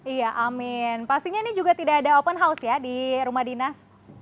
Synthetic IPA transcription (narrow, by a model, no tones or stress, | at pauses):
ijaʔamɪnpast̪iɲanid͡ʒuɡat̪idaːdaopənɦausjadiɾumahdinas